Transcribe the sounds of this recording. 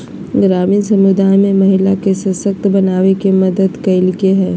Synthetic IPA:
ɡɾaːmiːnsɐmʊd̪aːjmẽmɐɦɪlakesɐsək̚t̪bɐnaːʋekemɐd̪əd̪kɐɪlkeɦɛ̃ː

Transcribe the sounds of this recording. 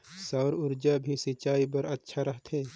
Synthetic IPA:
sɐːɾʊɾd͡ʒabʱisɪt͡ʃaːipɐɾɐtːʃʰaɾɐɦt̪ʰẽː

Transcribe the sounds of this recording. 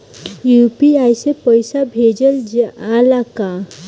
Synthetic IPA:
jupiajsepəjsabʱed͡ʒəld͡ʒalaka

